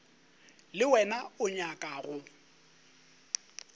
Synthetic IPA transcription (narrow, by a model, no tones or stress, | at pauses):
lɪwɛnaʊɲakʼaːɣʊ